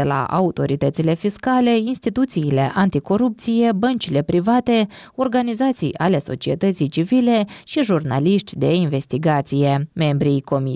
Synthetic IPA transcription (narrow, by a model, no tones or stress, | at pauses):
ela̰ʔa̰ut̪o̞ɾit̪ət̪sile̞fiskale̞inst̪it̪ut̪siːle̞̰ʔant̪iko̞ɾup̚t̪sije̞bənt͡ʃile̞pɾivat̪e̞o̞rɡanizat̪sija̰le̞so̞̰t͡ʃiet̪ət̪sijt͡ʃivile̞ʃiʒurna̰liʃt̪ʲd̪e̞inve̞st̪iɡat̪sije̞me̞mbɾijko̞mi